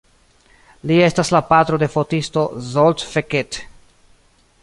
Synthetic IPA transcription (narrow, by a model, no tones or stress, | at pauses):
lie̞staslapat̪ɾo̞de̞fo̞tisto̞zoltfeket